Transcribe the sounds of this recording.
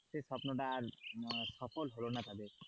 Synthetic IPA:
sesɔpnoʈaːɾsɔfolɦolonat̪ad̪eɾ

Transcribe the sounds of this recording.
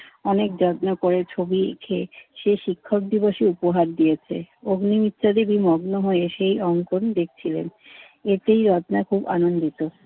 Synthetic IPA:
ɔnek̚d͡ʑɔt̪nakoɾet͡ɕʰobiḛkʰeʃeʃikʰːok̚d̪iboʃiupoɦaɾd̪iet͡ɕʰḛoɡnimit̪ːɕʰad̪ebimɔɡnoɦoeʃejɔŋkond̪ek̚ʰt͡ɕʰilḛn | et̪ejɾɔtnakʰuba̰nond̪it̪o

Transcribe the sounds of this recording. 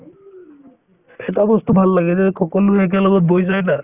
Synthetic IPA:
ɛtabɔst̪ubʱalːaɡɛzɛkʰɔkɔloɛk̬ɛlɔɡɔt̚bojs̬ajna

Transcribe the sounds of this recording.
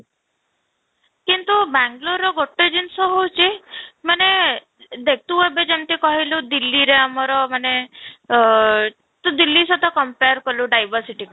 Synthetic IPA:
kint̪ubaŋɡloɾɔɡoʈːed͡ʒinsɔɦowt͡ʃʰimane | d̪ek̚ʰt̪uebed͡ʒemt̪ikɔɦilud̪ilːiɾeamɔɾɔmane | t̪ud̪ilːisɔt̪ɔkɔmpeɾkɔluɖajbɔɾsiʈik

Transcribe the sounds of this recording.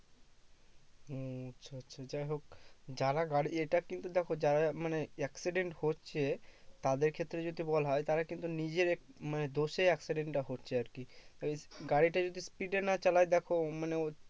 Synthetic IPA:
otːʃʰatːʃʰad͡ʑajɦok̚d͡ʑaɾaɡaɽieʈakint̪ud̪ɛkʰod͡ʑaɾamaneɛksiɖeɳʈhotːɕʰet̪ad̪eɾkʰet̪ːɾed͡ʑod̪ʱibɔlaɦɔet̪aɾakint̪unid͡ʑeɾɛ | maned̪oʃeɛksiɖeɳʈʈaɦotːɕʰeaɾkit̪ɔbeɡaɽiʈad͡ʑod̪ʱispiɖenat͡ɕalajd̪ɛkʰomaneo

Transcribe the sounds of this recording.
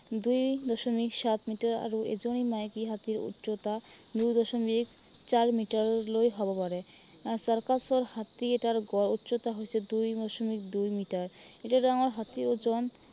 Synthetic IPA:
d̪ujd̪ɔʃomikʃat̪miʈaɾa̰ɾoḛd͡ʑonimajkiɦat̪iɾṵtːɕot̪a | d̪ujd̪ɔʃomik | t͡ɕaɾmiʈaɾlojɦɔbapaɾe | asɔɾkasoɾhat̪ieʈaɾɡɔɾutːɕot̪aɦojet͡ɕʰed̪ujdɔʃomik̚d̪ujmiʈaɾ | eʈaɾɖaŋoɾɦat̪iɾod͡ʑon

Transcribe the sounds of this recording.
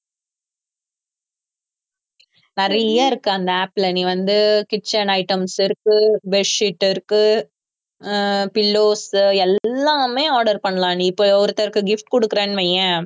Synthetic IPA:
nɪɾɐjaːɪɾɯkːɯɐnd̪ɐaːplɐniːʋɐnd̪ɯkɪt͡ʃːɐnɐɪʈːɐmsɪɾɯkːɯbɛʂiʈːɪɾɯkːɯ | pɪlːoːsɛlːaːmeːaːɾɽɐɾpɐɳːɐlãːniɪpːoɔɾɯt̪ːɐɾkɯɡɪfʈkɔɽɯkːɯɾenʋejɐ̃

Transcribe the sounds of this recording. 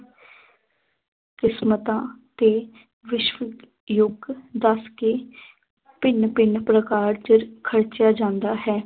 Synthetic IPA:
kɪsmət̪ãːt̪eː | ʋɪʃʋək | jʊɡd̪əskeː | pɪnpɪɳpɾəkaːɾd͡ʒəɾkʰəɾt͡ʃjaːd͡ʒãːnd̪aːɦɛː

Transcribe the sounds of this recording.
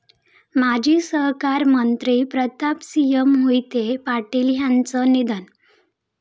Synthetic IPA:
mad͡ʑʱiːsəɦkaɾmənt̪ɾiːpɾət̪apsijəmɦojt̪epaʈiːlɦjant͡sənid̪ən

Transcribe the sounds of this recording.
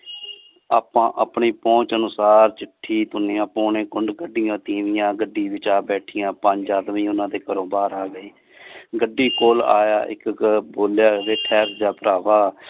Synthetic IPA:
aːpãːʔaːpɳiːpɔ̃ːt͡ʃənʊsaːɾt͡ʃɪʈʰːiːt̪ʊneːãːpoːɳẽːkʊɳɖɡəɖɪjãːt̪ĩːʋɪjãːɡəɖiːʋɪt͡ʃaːbɛːʈʰɪjãːpəɲd͡ʒaːd̪miːʊnãːd̪eːkəɾoːbaːɾaːɡəiː | ɡəɖːiːkoːla̰ːjaːʔɪ̰kboːljaːd̪eːʈʰɛːɾd͡ʒaːpəɾaːʋaː

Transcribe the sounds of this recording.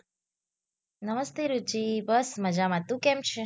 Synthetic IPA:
nəməst̪eɾut͡ʃibəsməd͡ʒamãt̪ũkemt͡ʃʰe

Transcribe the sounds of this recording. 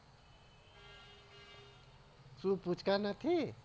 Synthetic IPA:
suput͡ʃʰkanət̪ʰi

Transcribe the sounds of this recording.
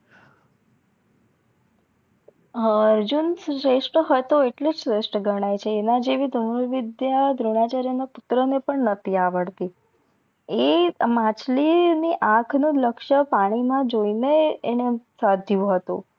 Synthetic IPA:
əɾd͡ʒunsɾeʂʈəɦojt̪oeʈled͡ʒsɾeʃʈəɡəɽ̃ajt͡ʃʰeːnad͡ʒeʋid̪ʱəɾʋɪd̪jad̪ʱɾuɳ̃at͡ʃaɾjənaput̪ɾənepəɳnət̪ʰiaʋəɽt̪i | emãt͡ʃliniʔãkʰnũləkʃəpaɽ̃imãd͡ʒoineːnesad̪ʱjũɦət̪u

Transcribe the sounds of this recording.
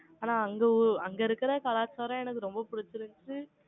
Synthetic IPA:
aːnaːɐŋɡeʊɐŋɡɐɪɾɯkːɯɾɐkɐlaːt͡ʃaːɾɐ̃ɛnɐkːɯɾɔmbɐpʊɽɪt͡ʃːɯɾɯnʈɯ

